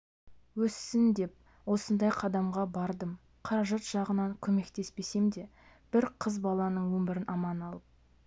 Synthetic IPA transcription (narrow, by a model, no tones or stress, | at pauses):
wɵsːɪnd̪e̞p̚ | wo̞sənd̪ɑjqʰɑd̪ɑmʁɑbɑɾd̪əm | qʰɑɾɑʒɑt̪ʒ̥ɑʁənɑŋkʲʰɵme̞kt̪e̞spe̞se̞md̪e̞ | b̥ɪɾqʰəzbɑlˠɑnəɴwɵmbɪɾɪnʔɑmɑnɑlˠəp̚